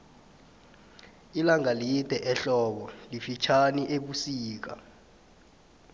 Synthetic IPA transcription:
ilaŋalid̥ʱɛʔɛɬɔːɓɔlifit͡ʃʰaniʔeɓusiːk̬a̰

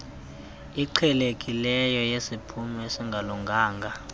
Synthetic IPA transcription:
iǀʰɛlekʼilɛjɔjesipʰumɛesiŋɡʱaluŋɡʱaːŋɡʱa

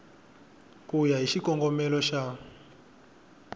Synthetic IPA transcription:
kujaɦiʃikɔŋɡɔmɛlɔʃa

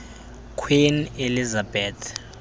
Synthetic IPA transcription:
kʰwinelizabɛːt̪ʰ

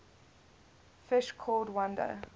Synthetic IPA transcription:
fɪʃkʰɔldwʌ̃ndə̰

